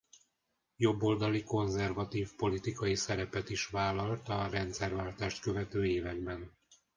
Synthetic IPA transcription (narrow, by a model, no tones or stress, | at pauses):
jo̞bːo̞ld̪ɒliko̞nzɛrvɒt̪iːfpo̞lit̪ikɒjisɛɾɛpɛt̪iʃʋaːlːɒlt̪ɒrɛnt̪sɛrvaːlt̪aːʃt̪kø̞vɛt̪øːeːvɛɡ̚bɛn